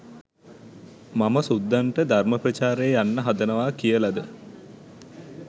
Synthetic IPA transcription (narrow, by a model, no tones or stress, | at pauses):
maməsud̪ːaɳʈəd̪ʱarməprɐt͡ʃaːɾejːjanːəɦad̪ənəʋaːkijəlad̪ə